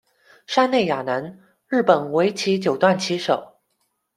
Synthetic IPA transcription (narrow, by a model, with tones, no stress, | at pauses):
ʂa˥ne˥˩ɪja˨˩na˧˥n | ɻɻ̩˥˩pə˨˩nwe˧˥ɪt͡ɕʰi˧˥t͡ɕjo˨˩ʊt̪wa˥˩nt͡ɕʰi˧˥ʂo˨˩˦ʊ